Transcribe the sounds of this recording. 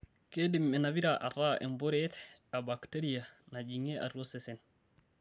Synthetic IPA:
kedimːenabiɾaʔataːʔḛmboɾetabakteɾianaɟiŋeʔa̰ɾosesen

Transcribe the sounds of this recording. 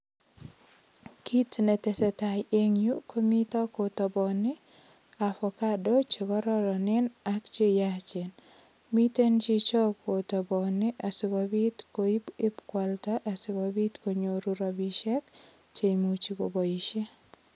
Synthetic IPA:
kʰitnɛtesɛtajeŋjukomitɔkotɔbɔnɪ | afɔkadot͡ʃekɔɾɔɾɔnɪnakt͡ʃejat͡ʃen | mitent͡ʃit͡ʃɔkʰotɔbɔnɪʔasɪkɔbit̪koibɪpkwaltaʔasɪkɔbit̪koɲoɾuɾɔbiʃɛk | t͡ʃemut͡ʃikoboiʃe

